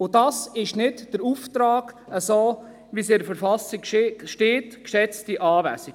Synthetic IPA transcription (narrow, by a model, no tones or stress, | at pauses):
ʊdɑsɪʃnɪtd̥əɾuːft̪ɾaːɡ̥əsoː | ʋisɪdəfəɾfɑsikʃʃteːtkʃɛt͡stiʔɑːʋæ̰si̥